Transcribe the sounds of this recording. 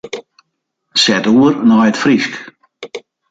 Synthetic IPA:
sɛtuərnɔjətfrisk

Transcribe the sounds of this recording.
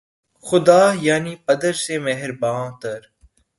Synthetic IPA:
xʊd̪aːjaːniːpɐd̪əɾsemɛɦɪɾbãːt̪ɐɾ

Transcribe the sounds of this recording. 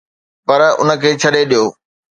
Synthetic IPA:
pɐɾʊ̰nə̆kʰeːt͡ɕʰɐɗeɗijoː

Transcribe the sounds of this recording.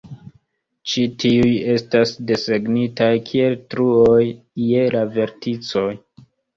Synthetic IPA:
t͡ʃitʰiuje̞stasde̞seɡnitajkʰie̞ltɾuo̞jː | e̞lave̞ɾtit͡so̞j

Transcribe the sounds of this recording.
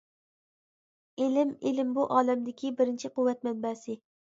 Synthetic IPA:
elɪmelɪmbuʔɑːlɛmd̪ɪkʲʰibɪɾɪnt͡ʃʰiqʊwːɛt̪̚mɛnbɛːsɪ

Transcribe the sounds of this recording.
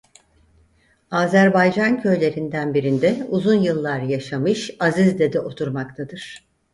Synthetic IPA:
aːzæɾbajd͡ʒancʰø̞jlʲe̞ɾind̪ænbiɾind̪ɛuzunjɯlˠːaɾjaʃamɯʃazizd̪ed̪ɛʔo̞t̪ʰuɾmak̚t̪ʰad̪ɯɾ̥

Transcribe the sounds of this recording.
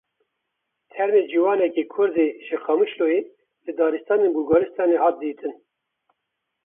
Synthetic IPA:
t̪ʰɛɾmeːd͡ʒiːwɑːnɛkekʰʊɾzeːʒɨqɑmɨʃloe | lɨd̪ɑːɾɨst̪ɑːneːnbuɡɑlɨst̪ɑːneːhɑːt̪̚d̪iːt̪ʰɨn

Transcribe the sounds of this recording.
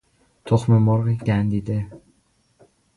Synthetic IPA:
t̪ʰoxmemɒɾiɟʲænd̪iːd̪e

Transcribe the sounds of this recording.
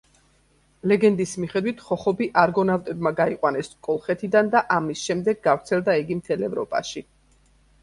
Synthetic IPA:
lɛɡɛnd̪ismiχɛd̪wit̪ʰχɔχɔbiʔaɾɡɔnavt̪ʼɛbmaɡaiqʼwanɛskʼɔlˠχɛt̪ʰid̪and̪aʔamisʃɛmd̪ɛɡːavɾt̪sʰɛlˠd̪aiɡimt̪ʰɛlɛvɾɔ̰pʼa̰ʃi

